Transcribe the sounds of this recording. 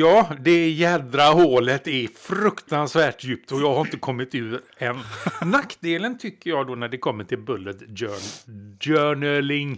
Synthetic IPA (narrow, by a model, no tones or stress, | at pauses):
jɑːd̪ɛjɛːd̪ɾaɦoːlət̪ɛɾfɾɵkt̪ansvæːʈjʉ̟ːp̚t̪ɔjɑːɡhaɾɪnt̪əkʰɔmːɪt̪ʉ̟ː | ɛnːakːd̪eːlənt̪ʰʏkːəjɑːɡd̪oːnæɖɛkʰɔmːəʈʰɪlbɵlːət̪ø | œɳəlɪŋ